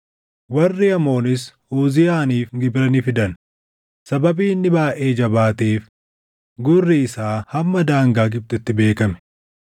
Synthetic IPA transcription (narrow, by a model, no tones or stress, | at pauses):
wɐrːɪɐmo̞ːnɪs | uːzɪjaːniːfɡɪbɾɐnifɪd̪ɐn | sɐbɐbiːnːɪbaːʔeːd͡ʒɐbaːt̪eːf | ɡʊrːiɪsaːhɐmːɐd̪aːŋɡaːɡɪb̚t̪ʊɪt̪ːɪbe̞ːkɐmɛ̥